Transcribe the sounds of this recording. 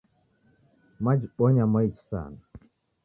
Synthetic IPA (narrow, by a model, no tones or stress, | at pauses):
mad͡ʒɓɔɲamajt͡ʃsa̰na